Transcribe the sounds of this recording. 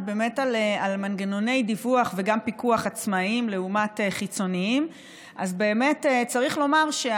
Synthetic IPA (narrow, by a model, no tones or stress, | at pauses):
be̞me̞talealmanɡeno̞ne̞jd̪ivuaχve̞ɡampikuaχat͡smaimle̞umateχit͡so̞niim | ʔazbe̞ːme̞tet͡saʁiχlo̞maʁʃe